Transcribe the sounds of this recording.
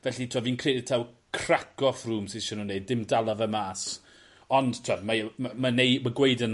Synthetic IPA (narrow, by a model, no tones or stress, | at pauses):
vɛɬitʰuɔviːnkʰreːdɪtʰaw | kʰrakɔfruːmsɪʃɔnunejdɪmdalˠɔvəmaːs | ɔnd̥tʰɔdmamamanejmaɡweɨdən